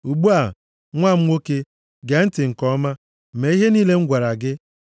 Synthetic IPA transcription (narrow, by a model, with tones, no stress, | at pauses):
u˨ɡ͡bu˦a˨ | ŋʷa˦˨m̩˦ŋʷo˦ke˦ | ɡe˨˦n̩˦tɪ˨ŋ̩˨kɔ˦ma˦˨ | me˦i˦ɦe˦niː˦le˦ŋ̩˦ɡʷa˨ɾa˨ɡɪ˦